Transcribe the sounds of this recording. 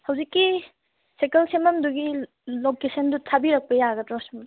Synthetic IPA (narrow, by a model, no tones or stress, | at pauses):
hɐwzikːi | sekelsemɐmduɡi | lokesɐndutʰabiɾɐk̚pɐjaɡɐdɾɔsm